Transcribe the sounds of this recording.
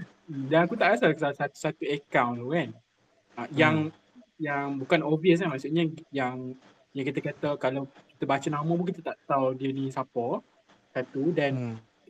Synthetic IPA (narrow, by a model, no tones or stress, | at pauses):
m̩danakut̪aʔkasaksasat̪u̥sat̪uəkãwnlukan | ajaŋ | jaŋbukanɔviəs̬namaʔsuʔɲajaŋ | jaŋkit̪əkat̪əkalawki̥t̪əbat͡ʃənãmə̃buŋkit̪ət̪aʔt̪awdiənisapɔ | sat̪udɛn